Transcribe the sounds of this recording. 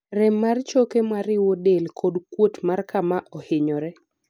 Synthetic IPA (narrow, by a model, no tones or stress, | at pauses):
ɾɛmːart͡ʃokemaɾɪwodelkʰodkwotmarkamaʔɔhɪɲɔɾɛ